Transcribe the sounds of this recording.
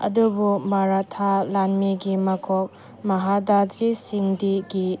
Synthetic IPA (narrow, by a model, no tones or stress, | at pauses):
ɐ̰dubumaɾatʰalanmiɡimɐkʰɔk̚ | mɐɦadad͡ʒisiŋdiɡi